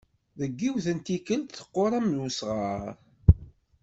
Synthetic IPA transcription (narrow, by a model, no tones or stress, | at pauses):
ðəɡːiwθənt̪ikəlt̪θə̥qːoɾˤɑmusʁəɾˤ